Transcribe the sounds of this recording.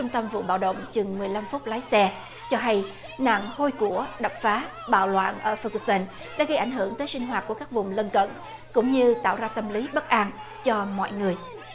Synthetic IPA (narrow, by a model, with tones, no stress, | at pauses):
t͡ɕʊ˧ŋ͡mt̪ə˧mvṵ˧˨ɓa̰ː˧˨wɗə̰˧˨wŋ͡mt͡ɕɨ˨˩ŋmɨ˨˩əjla˧mfʊ˦˥k͡p̚laː˨˦jsɛ˧ | t͡ɕɔ˧ɦa˧j | na̰ː˧˨ŋho˧jku˧˩əɗa˨˩p̚faː˨˦ | ɓa̰ː˧˨wlwa̰ː˧˨nʔəː˧˩fə˧ksə˧n | ɗa̰ː˧˥ɣə˧jʔa˧˩jŋ̟ɦɨ˧˩əŋt̪əː˨˦jsi˧ŋ̟ɦwaː˨˩t̚ku˧˩əkaː˦˥k̚vʊ˨˩ŋ͡mlə˧nkə̰˧˨n | kʊ̰˧˥ŋ͡mɲɨ˧t̪a̰ː˧˨wzaː˧t̪ə˧mli˨˦ɓə˦˥k̚ʔaː˧n | t͡ɕɔ˧mɔ̰˧˨jŋɨ˨˩əj